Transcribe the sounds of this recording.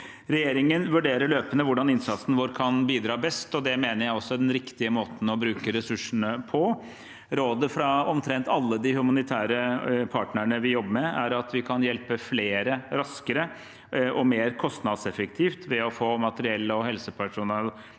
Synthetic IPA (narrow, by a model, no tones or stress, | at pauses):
ɾɛjeːɾɪŋənʋʉɖeːɾəɭøːpənəʋʊɖɑnɪnsɑt̪sn̩ʋoːɾkʰɑnbiːd̪ɾɑːbɛst̪ɔd̪ɛmeːnəjæɪɔsːɔd̪ɛnɾɪkt̪ɪəmoːt̪n̩ɔbɾʉːkəɾɛsʉʂəɳəpʰɔ | ɾoːd̪əfɾɑɔmt̪ʰɾɛnt̪ɑlːəd̪ɪhʉmɑnɪt̪ʰæːɾəpʰɑːʈnəɳəʋɪjɔbːəmɛæɾɑt̪ʋɪkʰɑnjɛlpəfleːɾəɾɑskəɾə | ɔmeːɾkʰɔst̪nɑd̪sɛfəkt̪ʰiːft̪ʋɛɔfoːmɑt̪əɾɪɛlːəɔhɛlsəpʰæʂʊnəl